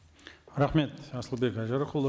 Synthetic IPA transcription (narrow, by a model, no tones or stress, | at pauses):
ɾɑχme̞t̪ɑsəlˠbe̞kæʒɑɾəqəlˠːə